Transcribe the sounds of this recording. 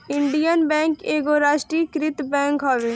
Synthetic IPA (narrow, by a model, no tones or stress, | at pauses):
ɪɳɖijənbɛ̃ːŋkeːɡoɾaːʃʈɾiːkɾɪt̪bɛ̃ːŋkɦaːʋeː